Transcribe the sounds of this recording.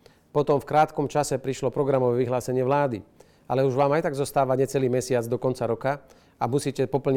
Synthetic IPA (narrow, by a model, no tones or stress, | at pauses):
pɔt̪ɔmfkɾaːt̪kɔmt͡ʃasɛpɾiʃlɔpɾɔɡɾamɔʋɛʋiɦlaːsɛɲɪɛʋlaːd̪ḭ | alɛuʒʋaːmajt̪aɡzɔst̪aːʋaɲɛt͡sɛliːmɛsɪad͡zd̪ɔkɔnt͡saɾɔka | amusiːcɛpɔpl̩ɲ